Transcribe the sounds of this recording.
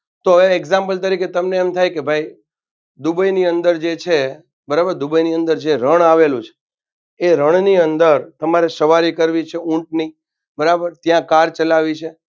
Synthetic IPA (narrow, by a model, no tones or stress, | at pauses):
t̪oɦəʋeeɡzãmpəlt̪əɾiket̪əmneːmt̪ʰajkebʱai | d̪ubəjniənd̪əɾd͡ʒet͡ʃʰe | bəɾabəɾd̪ubəjniənd̪əɾd͡ʒeɾəɳ̃aʋelũt͡ʃʰe̥ | eɾəɳ̃niənd̪əɾt̪əmaɾesəʋaɾikəɾʋit͡ʃʰeũɳʈ̚ni | bəɾabəɾt̪jãkaɾt͡ʃəlaʋit͡ʃʰe